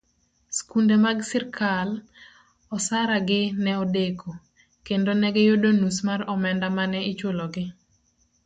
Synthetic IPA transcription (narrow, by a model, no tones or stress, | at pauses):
skundemaɡsɪrkʰal | ɔsaɾaɡɪnɛodekʰo | kendonɛɡɛjodonusmaɾɔmɛndamanɛɪt͡ʃwoloɡɪ